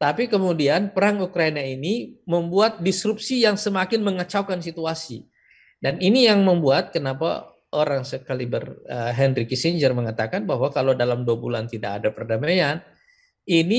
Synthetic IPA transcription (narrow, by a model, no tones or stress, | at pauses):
t̪apikəmudianpəɾaŋukɾainainiməmbuat̪̚disɾup̚sijaŋsəmakɪnməŋət͡ʃawkansit̪uasḭ | daninijaŋməmbuat̪̚kənapa̰ | ʔoɾaŋsəkalibərəɦɛndrikisiɲd͡ʒərməŋat̪akanbaɦwakalodalamduabulant̪idakadapərdamajan | ini